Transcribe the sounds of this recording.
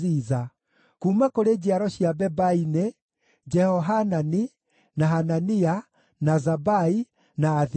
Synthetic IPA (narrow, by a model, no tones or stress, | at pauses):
iza | kuːmakoɾed͡ʑiaɾɔɕiabɛbaine | d͡ʒɛhɔɦanani | naɦanania | nazabai | naːð